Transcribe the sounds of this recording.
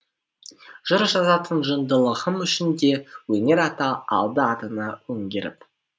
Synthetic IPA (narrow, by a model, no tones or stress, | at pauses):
ʒ̥ʊɾʒɑzɑt̪ʰənʒənd̪əlˠəʁəmʏʃɪnd̪e̞wɵne̞ɾɑt̪ɑɑ̰lˠd̪əɑt̪ənɑwɵŋɡʲe̞ɾɪ̰p